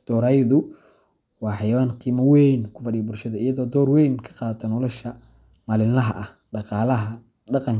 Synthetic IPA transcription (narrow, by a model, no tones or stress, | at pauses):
d̪̥ɔːɾaːjðʊ | wɑːħɑjɐwaːnqiːmɐwɛjnkʰʊfɑɖɪjɐbʊlʃɐðɐijɐðɔːd̪ɔːrwɛjnkʰɐ̥qɑːðɐt̪ʰɐnɔlɔʃɐ | maːlɪnɐɦɐʔɐh | ɖɑqɑːlɐɦɐ | ɖɑqɑŋ